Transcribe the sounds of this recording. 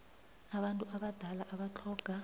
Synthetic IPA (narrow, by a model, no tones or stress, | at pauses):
aɓantʼuʔaɓad̥ʱalaʔaɓat͡ɬʰɔːɡ̥ʱa